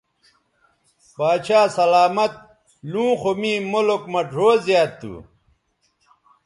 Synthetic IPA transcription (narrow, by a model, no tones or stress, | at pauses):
baːt͡ɕaːsɐlaːmɐt̪̚ | lũːxomĩːmolokmɐʈ͡ʂʰoːzjaːt̪ːṵ